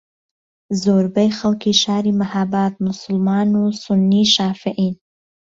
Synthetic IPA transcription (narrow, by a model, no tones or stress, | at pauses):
zoɾbəjxalkiʃɑːɾimahabɑt̪̚mʊsʊlmɑnosʊnːiʃɑːfɪʔin